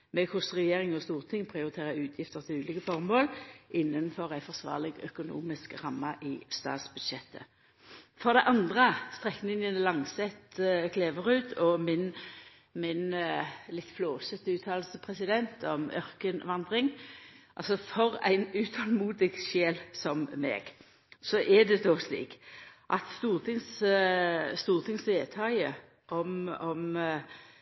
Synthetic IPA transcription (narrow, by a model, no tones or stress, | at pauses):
mɛkʰʊsʁɛjeːʁɪŋɔst̪uːʁt̪ʰɪŋpʰʁɪʊʁɪt̪ʰeːʁəʉːt̪ʰjɪft̪əʁt̪ʰɪlʉːliːkəfɔʁmoːlʔɪnːənfɔʁæɪfɔʁsʋɑ̰ːʁlɪɡœ̰kʊnṵːmɪskʁɑmːɑʔɪst̪ɑ̰ːt̪sbʉd̪ʃɛt̪ʰːə̰ | fɔʁd̪ɛʔɑnd̪ʁəst̪ʁɛknɪŋənlɑŋsɛt̪ːkʰleːʋəʁʉːd̪ɔmɪn | mɪnlɪt̪ːfloːsət̪əʉːt̪ʰɑːllsəpʰʁɛsɪd̪ɛnt̪ʰɔmœʁkənʋɑnd̪ʁɪŋʔɑ̰lsɔfɔʁæ̰ɪnʉːt̪ʰɑlmuːd̪ɪɡʃeːlsɔmːɛ̰ːɡ̥ | sɔʔɛd̪ɛd̪ɔslḭːkʔɑ̰t̪st̪uːʁt̪ʰɪŋs | st̪uːʁt̪ʰɪŋsʋeːt̪ʰɑjə | ʔɔmɔm